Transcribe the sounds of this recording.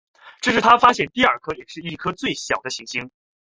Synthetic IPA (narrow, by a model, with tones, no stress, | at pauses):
ʈ͡ʂɤ˥˧ʂɻ̩˥˩t̪ʰa˥fa˥ɕjɛ˥˩nt̪i˥˧ɐ˞˥˩kʰɤ˥jɛ˨˩ʂɻ̩˥˧˩i˥˩kʰɤ˥t͡swe˥˩ɪɕjɑ˨˩ʊd̪ə˦ɕi˧˥ŋɕi˥ŋ